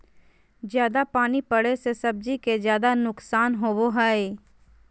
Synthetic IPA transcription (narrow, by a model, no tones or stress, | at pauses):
d͡ʒjaːd̪apaːnipɐɽesesɐb̚d͡ʒikezjaːd̪anʊksaːnɦoːboɦaːe